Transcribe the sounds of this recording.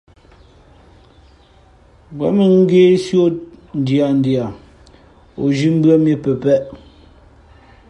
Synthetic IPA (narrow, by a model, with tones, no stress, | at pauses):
bwa̰˨˦mi˨ŋ̩˦ɡe˦sjo˦t̚n̩˨dja˨n̩˨dja˨ | o̰˨ʒi˦m̩˦bɰa˦mi˦pɛ˨pɛ˦ʔ